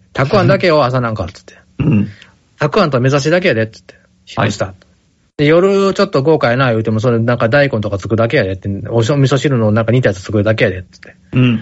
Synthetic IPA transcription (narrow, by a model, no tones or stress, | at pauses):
t̪ʰakɯ̟ãnd̪ake̞oas̬anãŋka̰tt͡sɨ̥t̪ʰːe | t̪akɯ̟ãnt̪oame̞zaɕ̬id̪ak̬e̞jad̪e̞t͡sɨ̥t̪ːe | çi̥oɕi̥t̪a | d̪ejo̞ɾɯ̟t͡ɕo̞t̪ːo̞ɡo̞ːkajanajɯ̟ːt̪e̞mo̞s̬oɾenãŋkad̪aikõnt̪o̞kat͡sɨ̥kɯ̟d̪ak̬e̞jad̪et̪ːeoɕomʲisoɕiɾɯ̟noːnãŋkaɲ̟it̪̬ajat͡sɨ̥t͡sɨ̥kɯɾd̪ak̬e̞jad̪et͡sɨ̥t̪ʰːe̥